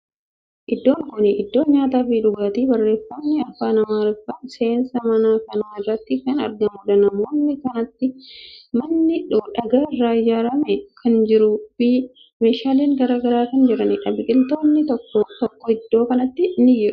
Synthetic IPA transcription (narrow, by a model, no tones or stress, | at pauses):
ʔɪd̪ːo̞ːŋkʊnɪʔɪd̪ːo̞ːɲaːt̪aːfiːᶑʊɡaːt̪iːbɐrːe̞ːfːɐnːɪɐfaːnɐmaːɾɪfːɐse̞ːnsɐmɐnaːkɐnaːɪrːɐt̪ːɪkɐnɐ̰ɾɡɐnɡɔᶑ̪ɐnɐmoːnːɪkɐnɐt̪ːɪmɐnːɪᶑʊᶑɐɡaːɪrːaːɪd͡ʒaːɾɐmɛkʰɐnd͡ʒɪɾufi | meːʃaːleːŋɡɐɾaːɡɐɾaːkɐnd͡ʒɪɾɐnɪᶑɐbɪkʼɪlt̪o̞ːnːɪt̪ɔkːɔt̪ɔkːɔɪd̪ːo̞ːkɐnɐt̪ːɪnɪjːɛᶑʊ̥